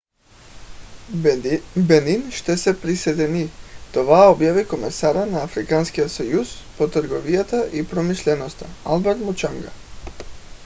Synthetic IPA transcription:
bɛninʃt̪ɛsɛpɾisɛd̪ɛnit̪ovaobjavikomɛsaɾanaːfɾikanskiot̪sojuspot̪ɾɡɔvijat̪aʔipɾomiʃlɛnost̪aalˠbɛɾt̪mut͡ʃaŋɡa̰

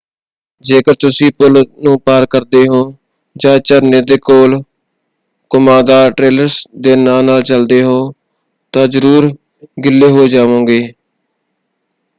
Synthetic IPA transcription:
d͡ʒeːkəɾt̪ʊsĩːpʊlnũːpaːɾkəɾd̪eːɦoː | d͡ʒãːt͡ʃəɾneːd̪eːkoːl | kʊmaːd̪aːʈɾeːləɾsd̪eːnãːnaːlt͡ʃəld̪eːɦoː | t̪ãːzəɾuːɾ | ɡɪlːeːɦoːd͡ʒaːʋõːɡeː

